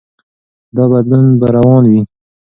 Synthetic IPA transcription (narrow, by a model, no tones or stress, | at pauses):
d̪ɑbad̪lunbaɾawɑnwi